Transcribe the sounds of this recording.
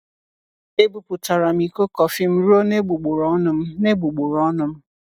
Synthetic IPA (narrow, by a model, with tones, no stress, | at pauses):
e˦bu˨pʊ˨ta˨ɾa˨m̩i˨ko˦kɔ˨fi˦m̩˦ɾu˦o˦ne˦ɡ͡bu˨ɡ͡bʊ˨ɾɔ˨˦nʊ˨m̩˦ne˦ɡ͡bu˨ɡ͡bʊ˨ɾɔ˦nʊ˨m̩˦